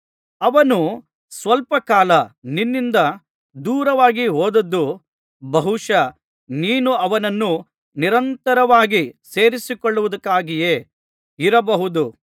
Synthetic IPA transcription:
ɐʋɐnu | sʋɐlpɐkaːlɐninːind̪ɐ | d̪uːɾɐʋaːɡiɦoːd̪ɐd̪ːu | bɐɦuʂɐ | niːnuɐʋɐnɐnːu | niɾɐnt̪ɐɾɐʋaːɡise̞ːɾisikoɭːuʋud̪ɐkːaːɡije̞ː | iɾɐbɐɦud̪u

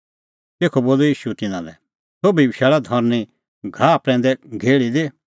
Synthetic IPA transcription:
t̪eːkʰoboːlojiːʃut̪ɪnã̰lɛ̰ | sobʱibɪʃaːɭad̪ʱɔɾni | ɡʱapɾɛ̃ːnd̪ɛɡʱeːɭid̪e

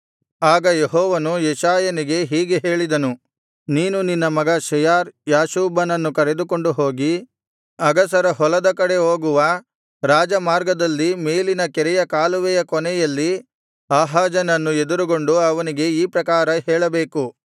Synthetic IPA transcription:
aːɡɐjeɦɔːʋɐnujɛʃaːjɐniɡe̞ɦiːɡeɦe̞ːɭid̪ɐnu | niːnuninːɐmɐɡaːʃɐjaːɾjaːʃuːbɐnɐnːukɐɾe̞d̪ukoɳɖuɦo̞ːɡi | ɐɡɐs̬ɐɾɐɦɔlɐd̪ɐkɐɽe̞oːɡuʋɐ | ɾaːd͡ʒɐmaːɾɡɐd̪ɐlːime̞ːlinɐkɛɾɛjɐkaːluʋɛjɐkɔnɛjɐlːi | aːɦaːd͡ʒɐnɐnːued̪uɾuɡo̞ɳɖuɐʋɐniɡe̞iːpɾɐkaːɾɐɦeːɭɐbeːku

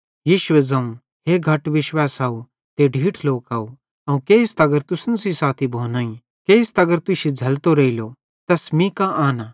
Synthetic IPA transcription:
jiːʃʊwɛd͡zɐ̃ũ | ɦeɡʱɐʈʋɪʃwaːsaːu | t̪eɖʱiːʈʰloːkaːu | ɐũkeɪst̪ɐɡəɾt̪ʊsənsisaːt̪ʰibʱoːnaːĩ | keɪst̪ɐɡəɾt̪ʊʃid͡zʱɐlt̪oɾɐilo | t̪ɐsmĩkaʔaːna

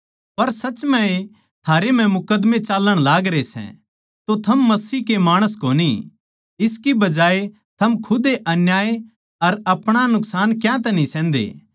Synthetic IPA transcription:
pɐɾsɐt͡ʃmɛ̃e | t̪ʰaːɾem̤ɛ̃mʊkəd̪mẽt͡ʃaːləɽ̃laːɡɾesɛ̰̃ | t̪ot̪ʰɐmːɐsiːkemaːɽ̃əs̬koːni | ɪskibɐd͡ʒaːe | t̪ʰɐmkʰʊd̪eʔɐnjaːe | ɐɾɐpɽ̃anʊksaːnkjãt̪ɛnĩsɛ̃ːnd̪ḛː

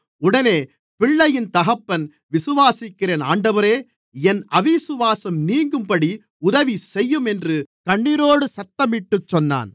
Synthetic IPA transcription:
ʊɽɐneː | pɪɭːɐjɪnt̪ɐɣɐpːɐn | ʋɪsɯʋaːsɪkːɪreːna̰ːɳɖɐʋɐɾeː | ɛnɐʋisɯʋaːsɐmniːŋɡɯmpɐɽi | ʊðɐʋisɛjːɯmɛndrɯkɐɳːɪɾoːɽɯsɐt̪ːɐmɪʈːɯt͡ʃːɔnːa̰ːn

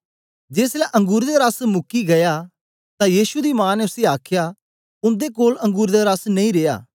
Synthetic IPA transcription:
d͡ʒeːslɛʔɐ̃ŋɡʊːɾd̪eɾɐsmʊkiɡɐja | t̪ãjiːʃud̪imãːnɛʊseaːkʰja | ʊ̃nd̪ekoːlɐ̃ŋɡuːɾd̪eɾɐsnɐ̃ĩɾeːja̰ː

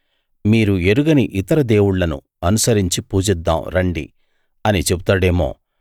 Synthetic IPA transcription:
miːɾue̞ɾuɡɐniʔit̪ɐɾɐd̪e̞ːwuɽlɐnṵ | ɐnusɐɾiɲt͡ʃipuːd͡ʒɛd̪ːa̰ːmɾɐɳɖḭ | ɐnit͡ʃe̞but̪aːɽe̞ːmo̞̰ː

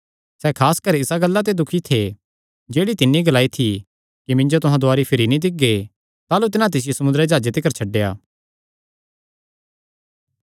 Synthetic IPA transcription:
sɛːkʰaːskɐɾɪsaɡɐlːat̪̬ed̪ʊkʰit̪ʰe | d͡ʒeːɽit̪ɪnːiɡɐlaːit̪ʰi | kimɪ̃ɲd͡ʒot̪ʊɦãd̪ʊaːɾipʰɪɾinĩd̪ɪk̚ɡe | t̪aːlut̪̬ɪnãt̪̬ɪs̬ɪjesɐmʊnd̪ɾed͡ʒaːd͡ʒet̪ɪkəɾt͡ʃʰɐɖːejaː

